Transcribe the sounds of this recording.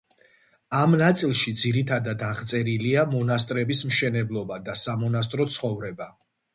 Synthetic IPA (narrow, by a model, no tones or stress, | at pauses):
amnat̪sʼilˠʃid̪ziɾit̪ʰad̪ad̪aʁt̪sʼɛɾiliamɔnast̪ʼɾɛbismʃɛnɛblˠɔbad̪asamɔnast̪ʼɾɔt̪sʰχɔvɾɛba